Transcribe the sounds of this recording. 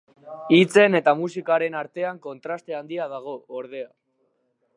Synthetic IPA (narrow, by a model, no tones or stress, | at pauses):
it͡se̞ne̞t̪amusikaɾe̞naɾt̪e̞aŋko̞nt̪ɾast̪e̞and̪iað̞aɣ̞o̞ːɾðe̞a